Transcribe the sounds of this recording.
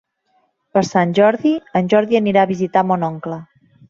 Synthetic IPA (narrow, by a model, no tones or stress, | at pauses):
pəɾsanʲʒɔɾðiənʲʒɔɾðiəniɾaːβizit̪amɔnɔŋklə